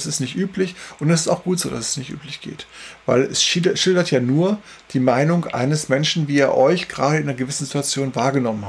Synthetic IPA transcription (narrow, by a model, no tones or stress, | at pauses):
sɪstnɪçtʔyːplɪçʔʊntɛsɪstaʊxɡ̥uːtz̥o̰ːda̰sɛ̥snɪçtʔy̰ːplɪçɡ̥ḛːtvaɪlɛsʃɪɐʃɪldɐtʰjaːnuːɐ | d̥iːmaɪnʊŋʔa̰ɪnəsmɛnʃn̩viːiːɐʔɔʏçɡ̥ʁaːɾəɪnnɐɡəvɪsn̩zituat͡sjoːnvaːɐɡənɔmənha